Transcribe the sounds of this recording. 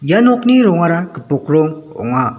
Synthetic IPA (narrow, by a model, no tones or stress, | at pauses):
janɔkniɾɔŋaɾakəpɔkɾɔŋɔ̰ŋa